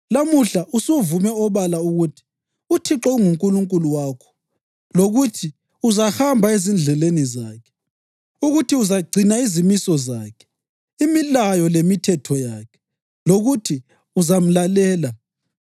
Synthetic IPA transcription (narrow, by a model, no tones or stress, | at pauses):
lamuɬaʔusuvumɛɔβalauɣutʰi̥ | utʰiǁɔuŋuŋkʼuluŋkʼuluwaːkʰɔ̥ | loɣutʰi | uzahambʱaezind͡ɮʱɛlenizaːkʰɛ̥ | uɣutʰiuzaɡ͡ǀʱinaizimisɔzaːkʰɛ̥ | imilajɔlemitʰɛtʰɔjaːkʰɛ̥ | loɣutʰi | uzam̩lalɛːla